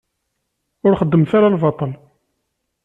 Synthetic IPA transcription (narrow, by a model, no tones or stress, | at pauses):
ʊɾχəd̪ːəmθaɾalvɑt̪ˤəl